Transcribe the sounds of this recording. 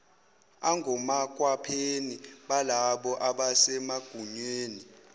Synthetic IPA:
aŋɡʱɔmak̬ʼwapʰeniɓalaɓɔʔaɓasɛmaɡ̥ʱuɲweːni

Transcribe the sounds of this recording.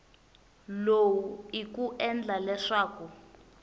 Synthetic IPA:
lowuikuʔɛnd͡ɮalɛʂaːku

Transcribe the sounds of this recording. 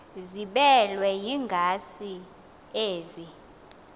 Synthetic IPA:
ziɓɛlwɛjiŋɡʱasi | eːzi

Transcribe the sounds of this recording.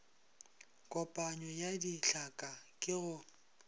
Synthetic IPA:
kʼɔpʼaɲɔjadiɬakʼakʼɪɣʊ

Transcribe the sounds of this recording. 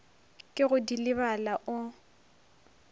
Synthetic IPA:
kʼɪɣʊdilɪβalaʔʊ

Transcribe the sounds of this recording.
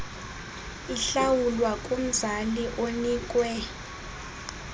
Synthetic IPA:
iɬawulwakʼum̩zaliʔonikʼwɛ

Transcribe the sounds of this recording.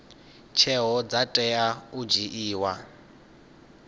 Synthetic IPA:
t͡ʃʰɛɦɔd͡zatʼɛaud͡ʒiʔiːwa

